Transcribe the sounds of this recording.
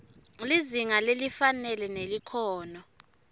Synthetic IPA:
liziŋalelifanɛlɛnelikʰɔːnɔ

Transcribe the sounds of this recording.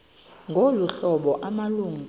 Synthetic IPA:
ŋɡʱoluɬɔɓɔʔamaluːŋ

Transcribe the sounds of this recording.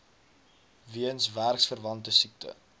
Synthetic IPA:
viənsværksfərvɐntəsik̚tə̰

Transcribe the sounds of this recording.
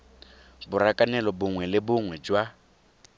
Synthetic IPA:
bʊrakʼanɛlɔbʊŋwɛlɪbʊŋwɛd͡ʒwa

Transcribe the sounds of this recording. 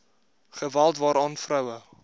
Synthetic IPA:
χəvælˠtvɑːɾɑːnfrœwə

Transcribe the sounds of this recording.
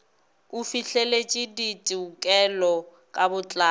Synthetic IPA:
ufiɬelet͡ʃʼiditʼiukʼɛlɔ | kʼabʊt͡ɬʼa

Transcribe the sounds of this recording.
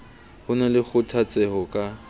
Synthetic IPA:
hʊnɛlɪk͡xʰʊtʰat͡sʼɛhɔkʼa

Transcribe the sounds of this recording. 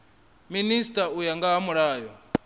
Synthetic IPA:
ministʼaujaŋɡaɦːmuɺaːjɔ

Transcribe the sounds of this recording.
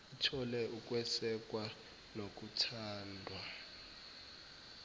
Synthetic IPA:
itʰɔlɛʔuk̬ʼwɛsɛk̬ʼwa | nok̬ʼutʰaːndʱwa

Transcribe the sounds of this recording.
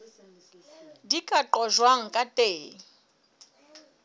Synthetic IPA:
dikʼaǃɔʒwaŋ̩kʼatʼeː

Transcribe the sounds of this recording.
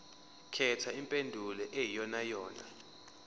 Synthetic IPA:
kʰɛtʰaimpʼendʱulɛʔejijɔnajɔːna̰

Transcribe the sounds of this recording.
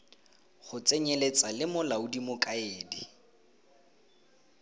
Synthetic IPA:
χʊt͡sʼeɲelet͡sʼalɪmʊlaʊdimʊkʼaeːdi

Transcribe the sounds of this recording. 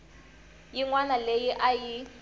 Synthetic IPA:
jiŋwanalejiʔaji

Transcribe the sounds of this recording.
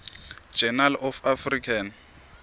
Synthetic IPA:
d͡ʒɛnalɔfafrikʰan

